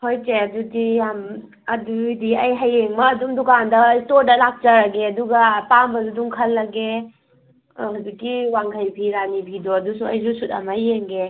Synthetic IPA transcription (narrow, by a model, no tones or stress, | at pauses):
hojseɐdudijam | ɐdudiɐjɦajeŋmɐːdumdukandɐistoɾdɐlak̚t͡ʃaɾaɡeɐduɡɐpambɐduduŋkʰɐlːɐɡe | ɦudukːiwaŋkʰajpʰiɾanibʱidɔɐdusuɐjzusuta̰majeŋɡe